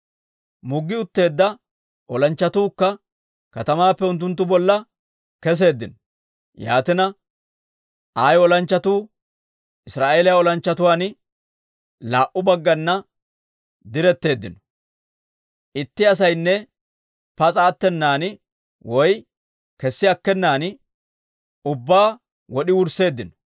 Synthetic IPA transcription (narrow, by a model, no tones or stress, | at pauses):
mʊɡːɪʊt̪ːe̞ːd̪ːɐ | ʔɔlɐnt͡ʃːɐt̪uːkːɐ | kɐt̪ɐmaːpːɛʊnt̪ːʊnt̪̬ːʊbɔlːɐ | kɛs̬e̞ːd̪ːɪnɔ | ja̰ːt̪ɪnɐ | aːjɔlɐnt͡ʃːɐt̪uː | ʔɪsɾaːʔeːlɪjaɔlɐnt͡ʃːɐt̪ʊwaːn | laːʔʊbɐɡːɐnːɐ | d̪ɪɾɛt̪ːe̞ːd̪ːɪ̰nɔ̥ | ʔɪt̪ːɪɐs̬ɐjnːɛ | pɐt͡sʼaːt̪ːɛnːaːn | wɔj | kɛsːɪɐkːɛnːaːn | ʊbːaː | wɔɗɪwʊɾse̞ːd̪ːɪnɔ̥